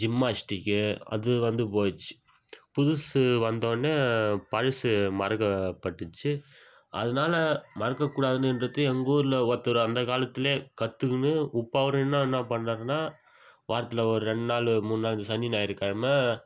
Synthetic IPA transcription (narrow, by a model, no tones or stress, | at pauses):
d͡ʒɪmːaːsʈɪkːɯɐ̰ðɯʋɐnd̪ɯpoːjɪt͡ʃːɯ̥ | pʊðʊsʋɐnd̪oːnːepɐɻɐsɯmɐɾɐkːɐpːɐʈːɯt͡ʃːɯ | ɐ̰ðɐnaːlɐmɐɾɐkːɐkːuːɽaːðɯnɯɪnɾɐt̪ːɯɛŋɡoːɾɪlɐʋɔt̪ːɾɯɐnd̪ɐkaːlɐt̪ːɪleːkɐt̪ːɯkːɯnɯʊpːaːʋɐɾɐ̃ɛnːanːapɐɳːɾaːɾɯnːaː | ʋaːɾɐt̪ːɪlɐɔɾɯɾɛɳɖnaːlɯmunnaːlnd̪ɯsɐnːinaːɪɾɯkːaːɐmɐ